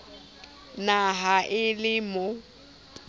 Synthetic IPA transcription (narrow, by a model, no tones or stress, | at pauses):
naɦaʔɪlɪmʊ